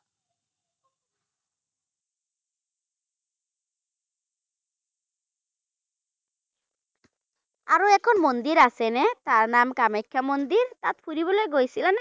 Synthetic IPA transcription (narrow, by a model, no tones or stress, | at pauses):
aɾoɛkʰɔnmond̪iɾasenet̪aɾnamkamajkʰːamond̪iɾt̪at̪pʰuɾiβɔlɔjɡojsilane